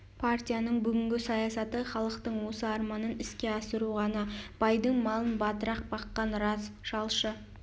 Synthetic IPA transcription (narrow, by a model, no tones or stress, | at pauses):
pʰart̪ʲijanəɴbʏɡʲɪŋɡʲɪsɑjɑsɑt̪əχɑlˠəqt̪əɴwo̞səɑɾmɑnənɪskʲe̞ɑsəɾuʁɑnɑb̥ɑjd̪əɴmɑlˠənbɑt̪əɾɑq̚bɑqːɑnɾɑsʒ̥ɑlˠʃə